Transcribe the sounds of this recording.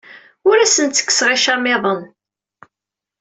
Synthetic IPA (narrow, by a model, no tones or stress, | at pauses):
ʊɾæsənt̪t͡sːə̥kːsʁɪʃæmːɪðˤən